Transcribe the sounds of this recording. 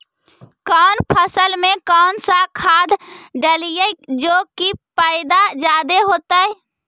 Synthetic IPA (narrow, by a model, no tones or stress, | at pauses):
kɔːnpʰəsəlmẽkɔːnsakʰaːd̪ɖəlijəd͡ʒoːkipaːɪd̪ad͡ʒaːd̪eɦoːt̪aɛ